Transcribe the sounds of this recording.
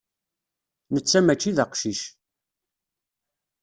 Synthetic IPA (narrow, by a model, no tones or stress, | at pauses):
nət͡sːæmæt͡ʃːiðəqʃiʃ